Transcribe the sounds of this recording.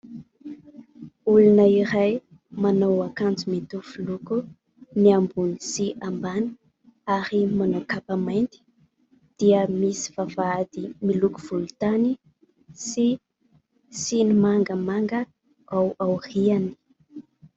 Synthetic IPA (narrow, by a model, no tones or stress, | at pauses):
ulunəiɾaj | manowakand͡zumit̪ufuluku | niambunisiʔambani̥ | aɾimanowkapamajnt̪i̥ | d̪̥iəmisi̥v̥avaad̪imiluku̥v̥ulut̪ani | si | sinimaŋɡəmaŋɡə | awʔawriani̥